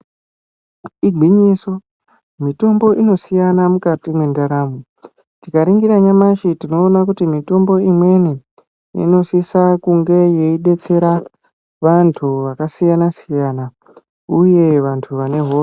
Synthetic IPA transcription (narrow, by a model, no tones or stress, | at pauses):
iɡʱiɲiso̞ | mito̞mbo̞ʔino̞sijanamukatimwe̞ndaɾaːmu | tikaɾiŋɡiɾaɲamaʃitino̞ːnakutimito̞mbo̞imwe̞ne | ḭno̞sisakuŋɡe̞je̞iɗe̞t͡se̞ɾa | ʋantʰuʋakasijanasijana | uje̞ʋantʰuʋane̞ɦoː